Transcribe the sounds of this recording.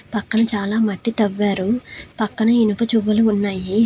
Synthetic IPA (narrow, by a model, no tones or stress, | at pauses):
pɐkːɐɳɐt͡ʃaːlaːmɐʈːit̪ɐʋːaːɾupɐkːɐɳɐinɐpɐt͡ʃuʋːɐluːnːaːji